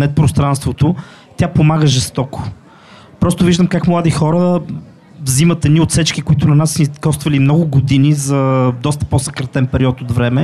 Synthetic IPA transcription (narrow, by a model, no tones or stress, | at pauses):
nɛt̪̚pɾost̪ɾanst̪vot̪ʊ | t̪ʲjapomaɡəʒɛst̪ɔko̥ | pɾɔst̪ʊviʒd̪əmkakmlˠad̪ixɔɾə | vzimɐt̪ɛd̪niot̪sɛt͡ʃkikoit̪ʊnɐnasnikɔst̪vɐlimnɔɡʊɡod̪inizɐd̪ɔst̪ə̥posɐkɾɐt̪ɛnpɛɾiɔt̪od̪vɾɛmɛ